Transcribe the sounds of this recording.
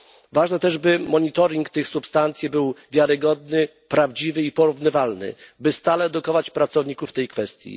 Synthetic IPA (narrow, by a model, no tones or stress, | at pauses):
vaʐnɛt̪ɛʐbɘmɔɲit̪ɔɾʲiŋkt̪ɘxsupst̪ant̪sʲjɛbɘwvʲjaɾɘɡɔd̪nɘ | pɾavd͡ʑivɘipɔɾuvnɘvalnɘ̰bɘst̪alɛːd̪ukɔvat͡ɕpɾat̪sɔvɲikuft̪ɛjkfɛst̪ʲjḭ